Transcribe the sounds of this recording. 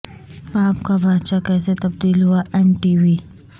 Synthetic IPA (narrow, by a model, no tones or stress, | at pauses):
aːpkabaːt̪ʃakɛːset̪ɐb̚d̪iːlɦuaʔɛmʈiːwiː